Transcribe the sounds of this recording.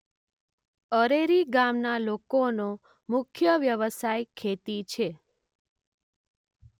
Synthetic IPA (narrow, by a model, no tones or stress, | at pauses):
əɾeɾiɡamnalokono | mʊkʰjəʋjəʋəsajkʰet̪it͡ʃʰe